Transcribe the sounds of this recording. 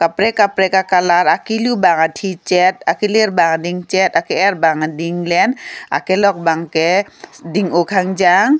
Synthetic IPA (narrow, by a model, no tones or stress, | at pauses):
kapɾɛkapɾɛkakalaɾakilubaŋatʰit͡ʃɛt̚akileɾbaŋdiŋt͡ʃɛtakɛɛɾbaŋdiŋlɛna̰kɛlɔk̚baŋkɛdiŋokʰaŋd͡ʒaŋ